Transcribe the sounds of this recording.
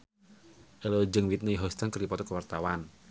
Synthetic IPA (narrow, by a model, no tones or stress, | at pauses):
ʔelod͡ʒəŋwit̪̚nəiɦɔst̪ankəɾipɔt̪ɔkəwart̪awan